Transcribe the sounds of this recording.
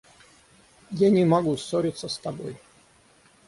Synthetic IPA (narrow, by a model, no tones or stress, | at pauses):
janʲɪmaɡusoɾʲɪt̪sːəst̪ɐbo̰j